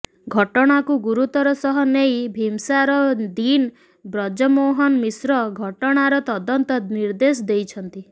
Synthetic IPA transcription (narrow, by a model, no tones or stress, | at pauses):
ɡʱɔʈɔɽ̃akuɡuɾut̪ɔɾɔsɔɦɔnejbʱimsaɾɔd̪in | bɾɔd͡ʒɔmoɦɔnmisɾɔɡʱɔʈɔɽ̃aɾɔt̪ɔd̪ɔnt̪ɔniɾd̪esɔd̪ejt͡ʃʰɔnt̪i